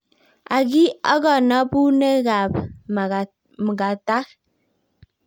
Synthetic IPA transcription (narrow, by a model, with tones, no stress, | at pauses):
a˨ɡi˦ɔ̰˦ɣɔ˨nɔ˦bu˦ne˦ɣa˨p | m˨ɡa˨ta˦k